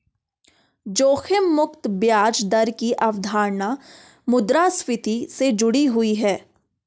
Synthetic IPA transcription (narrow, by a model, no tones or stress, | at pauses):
d͡ʒoːxʰɪmːʊkt̪bjaːd͡ʒd̪ɐɾkiʔɐʋd̪ʱaːɾna | mʊd̪ɾaswɪt̪ised͡ʒʊɽiɦʊiɦɛː